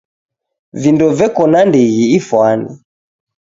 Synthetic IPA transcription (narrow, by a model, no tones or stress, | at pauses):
vindɔvɛkɔnandɛɣiːfwanḭ